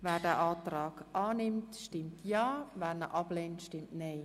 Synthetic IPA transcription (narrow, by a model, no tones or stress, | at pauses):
vɛːɾdɛʔɑːtɾɑːɡ̥ʔɑːnɪmtʃtɪmtʰjɑːvɛːnəʔɑb̥lentʃtɪmtneɪ